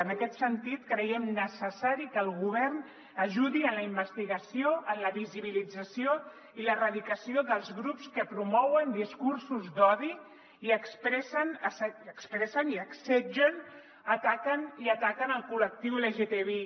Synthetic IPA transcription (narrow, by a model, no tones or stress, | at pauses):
ənəkɛt̪sənt̪it̪kɾəjɛmnəsəsaɾikəlˠɣuβ̞ɛrn | əʒuðiənləimbəst̪iɣəsioʔənləβiziβ̞ilid͡zəsio | ilərəðikəsioðəlˠzɣɾupskəpɾumɔwənd̪iskursuzd̪ɔði | iəkspɾɛsənəsəkspɾɛsəniəksɛʒən | ət̪akəniət̪akənəlˠkulək̚t̪iweleʒet̪eβe